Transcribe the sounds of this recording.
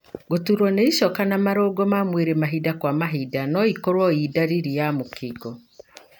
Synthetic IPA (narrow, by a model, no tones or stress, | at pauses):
ɡotuɾwɔneiʃɔkanamaɾoɡɔmamweɾemaɦidakwamaɦidanɔikoɾwɔidaɾiɾijamokiɡɔ